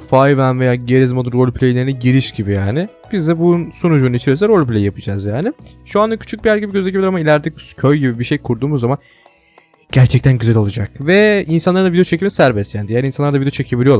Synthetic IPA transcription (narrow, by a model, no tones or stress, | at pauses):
fajvænvejaːɟeɾizmad̪uɾolʲpʰʲlʲejlʲeɾinɛɟiɾiʃɟibijaːnɪ | b̥izd̪ɛbunsonud͡ʒuːnit͡ʃʰiɾijos̬ɛɾolʲplʲejijapʰɯd͡ʒazjaːnɪʃuand̪acʰy̥t͡ʃʰyk̚bijæɾɟibiɟøzec̬ʰʲibilʲɾamailʲæɾd̪iccʰøjɟibibiʃejkʰuɾd̪uːmuzːaman | ɟ̥æɾt͡ʃʰɛc̚t̪ʰænɟyzælo̞lˠad͡ʒak̚vɛinsanˠaɾɯnavid̪eot͡ʃʰe̞cimisæɾbɛsjaːnd̪ijaːninsanˠaɾd̪vid̪eot͡ʃʰecʰebilʲijo̞lˠa